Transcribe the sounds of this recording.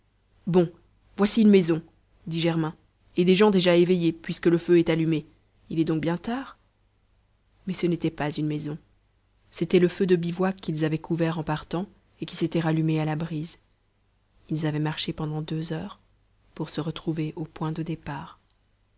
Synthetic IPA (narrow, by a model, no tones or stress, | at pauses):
bɔ̃ | vwasiynmɛzɔ̃ | d̪iʒɛʁmɛ̃ | ed̪eʒɑ̃d̪eʒaevejepɥiskələføɛt̪alyme | ilɛd̪ɔ̃k̚bjɛ̃t̪aːʁ | mɛsənet̪ɛpazynmɛzɔ̃ | set̪ɛləfød̪əbivwakilzavɛkʰuvɛʁɑ̃paʁt̪ɑ̃ | ekʲi̥set̪ɛʁalymealabʁiz | ilzavɛmaʁʃepɑ̃d̪ɑ̃d̪øzœːʁ | puʁsəʁət̪χuveʔopwɛ̃d̪əd̪epaːʁ